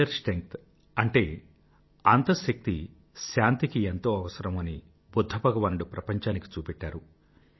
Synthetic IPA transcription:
ɐɾsʈɾeŋk̚t̪ | ɐɳʈe̞ː | ɐnt̪ɐʃɐk̚t̪i | ʃaːnt̪ikient̪o̞ːɐʋɐsɐɾɐmɐni | bud̪ʱːɐbʱɐɡɐʋaːnɖupɾʔɐpɐɲt͡ʃaːniki̥t͡ʃuːpɛʈːaːɾu

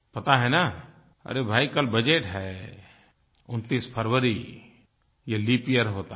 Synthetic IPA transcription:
pɐt̪aɦɛna | ə̰ɾebʱaːikɐlbəd͡ʒeʈɦɛ | ʊnt̪ispʰəɾʋəɾi | jelipijəɾɦoːt̪a

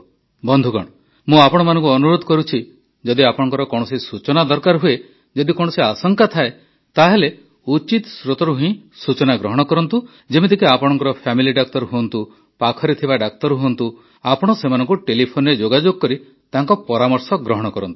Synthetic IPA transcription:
bɔnd̪ʱukɔ̰ɽ̃ɔ | mũapɔɽ̃ɔmanɔ̃ŋk̬uɔnuɾod̪ʱɔkɔɾut͡ʃʰi | d͡ʒɔd̪iapɔɽ̃ɔŋkɔɾɔkɔɽ̃ɔsisut͡ʃɔnad̪ɔɾkaɾɦue | d͡ʒɔd̪ikɔɽ̃ɔsiasɔŋkat̪ʰae | t̪aɦele | ut͡ʃit̪sɾot̪ɔɾuɦĩsut͡ʃɔnaɡɾɔɦɔɽ̃ɔkɔɾɔnt̪u | d͡ʒemed̪ʱikiapɔɽɔ̃ŋkɔɾɔpʰamiliɖak̚t̪ɔɾɦuɔnt̪u | pakʰɔɾit̪ʰibaɖak̚t̪ɔɾɦuɔnt̪u | apɔɽ̃ɔsemanɔŋkuʈelipʰoned͡ʒoɡad͡ʒoɡɔkɔɾi | t̪aɦŋkɔpɔɾamɔɾsɔɡɾɔɦɔɽ̃ɔkɔɾɔnt̪u̥

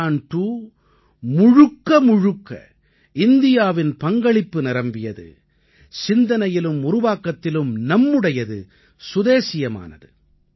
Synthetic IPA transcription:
aːɳʈuː | mʊɻʊkːɐmʊɻʊkːɐ̰ | ɪnd̪ɪjaːʋɪnpɐŋɡɐɭɪpːɯnɪɾɐmbɪjɐðɯ̰ | sɪnd̪ɐnɐjɪlɯmʊɾʊʋaːkːɐt̪ːɪlɯmnɐmːɯɽɐjɐðɯ̰ | sʊðeːsɪjɐma̰ːnɐðɯ

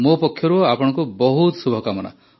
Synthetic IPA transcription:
mopɔkʰjɔɾuapɔɽ̃ɔ̃ŋkubɔɦut̪subʱɔkamɔna̰

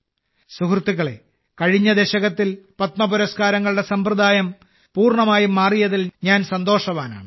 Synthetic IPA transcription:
sukrɨt̪ːiɣɐɭe̞̰ | kɐɻiɲːɐd̪eɕɐɣɐt̪ːilpɐt̪mɐbuɾɐskaːɾɐŋːɐɭuɽe̞sɐmprɨd̪aːjɐm | puːrɳɐmaːjumaːrijɐðilɲaːnsɐnd̪o̞ːʂɐʋaːna̰ːɳɨ

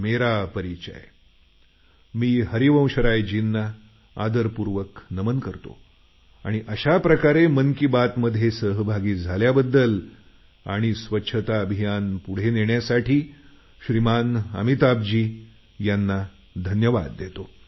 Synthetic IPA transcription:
meɾapəɾit͡ɕə̰j | miːɦəɾiʋə̃w̃ɕəɾajd͡ʑinːa | ad̪əɾpuɾʋəknəmənkəɾt̪o̰ | aɽ̃iʔəɕapɾəkaɾemənkibat̪məd̪ʱjesəɦbʱaɡiːd͡zʱaljabəd̪ːəl | a̰ɽ̃isʋətːɕʰət̪aəbʱijanpuɽ̤eneɳjasaʈʰiː | ɕɾimanə̰mit̪ab̚d͡ʑiː | janːa | d̪ʱənjəʋa̰d̪ːet̪o

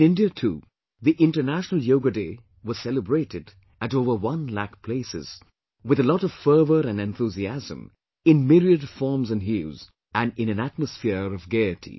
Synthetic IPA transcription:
nɪ̃ndiətʰṵː | ðiʔɪ̃nʈə˞næʃənəl̩ˠjoʊɡədeː | wʌz̥sɛləbɹeɪɾɪd | ɨtoʊvə˞wʌ̃nlækpʰl̥eɪsɪ̰z̥ | wɨðəlɔɾɔv̥fɜ˞vəɾɨ̃nɛ̃nθuziæzə̰̃m | ɪ̃nmɪɾiədfɔɹmzɨ̃nɦjuz | æ̃nɪ̃nɨ̃næt̚məsfɪəɹɔvɡeɪɨtʰḭ

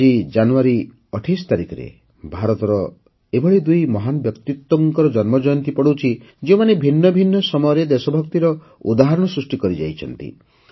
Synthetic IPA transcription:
id͡ʒanuaɾi | ɔʈʰisɔ̥t̪aɾikʰɔɾḛ | bʱaɾɔt̪ɔɾɔ | ebʱɔɭid̪ujmɔɦanɔbjɔkt̪it̪wɔŋkɔɾɔd͡ʒɔnmɔd͡ʒɔjɔnt̪ipɔɽut͡ʃʰi | d͡ʒeumanebʱinːɔbʱinːɔsɔmɔjɔɾed̪esɔbʱɔkt̪iɾɔ | ud̪aɦaɾɔɽ̃ɔsɾusʈikɔɾid͡ʒa̰jt͡ʃʰɔ̰nt̪ḭ

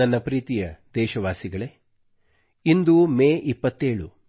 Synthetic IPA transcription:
ɐnːɐpɾiːt̪ijɐd̪ɛːʃɐʋaːsiɡɐɭe̞ | ind̪umeːʔipːɐt̪ːeːɭu

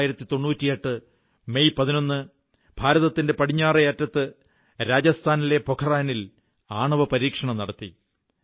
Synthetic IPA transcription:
jiɾɐt̪ːit̪o̞ɳːuːtːijeʈːɨ | me̞jpɐðino̞nːɨ | b̥ʱaːɾɐðɐt̪ːinde̞pɐɽiɲːaːrɐjaːtːɾɐt̪ːɨ | ɾaːd͡ʑɐst̪ʰaːnile̞po̞kʰɐraːjɐnil | aːɳɐʋɐpɐɾiːkʂɐɳɐmnɐɽɐt̪ːi

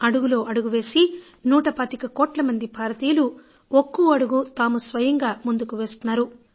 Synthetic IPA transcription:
ɐɽuɡulo̞ːʔɐɽuɡuʋe̞ːsi | nuːʈɐpaːt̪ikɐkoːʈlɐmɐnd̪ipaːɾɐt̪iːlu | okːuɐɽuɡut̪aːmusʋɐjɐŋɡaːmund̪ukuʋeːst̪unːaːɾu

